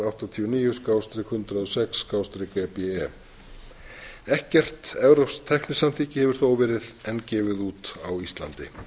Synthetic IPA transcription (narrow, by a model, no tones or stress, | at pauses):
awht̪at̪ʰiːʏniːjʏskawst̪ɾɪkhʏnt̪ɾaðɔsɛksːkawst̪ɾɪkɛpɛɛ | ɛhcɛr̥t̪ɛvɾɔpst̪ʰɛhknɪsanθiːcɪhɛvɪɾ̥θoːwvɛːɾɪðɛncɛːvɪðuːt̪awist̪la̰nt̪ɪ̰